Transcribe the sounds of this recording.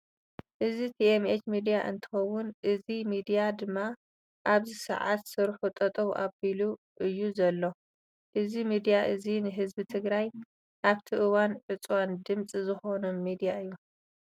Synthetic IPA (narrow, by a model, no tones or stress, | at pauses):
ʔɨzit̪ʰiemet͡ʃmid̪ijaʔɨ̰nt̪ʰɨ̥xɐwːʊnʔɨzimid̪ijad̪ɨmːa | ʔaβzisɨ̰ʕa̰t̪sɨɾħut̪ʼɐt̪ʼɐβʔabilu | ʔɨjːuzɐlːo̞ | ʔɨzimid̪ijaʔɨzinɨɦɨzbit̪ʰɨɡɾaj | ʔaβt̪ʰiʔɨwanʕɨt͡sʼwand̪ɨmt͡sʼizɨxo̞nomːid̪ijaɨjːu